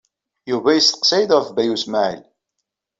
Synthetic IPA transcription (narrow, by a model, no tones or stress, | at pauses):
juvæjəst̪ə̥qsæjd̪əɾθbæjusmaʕḭl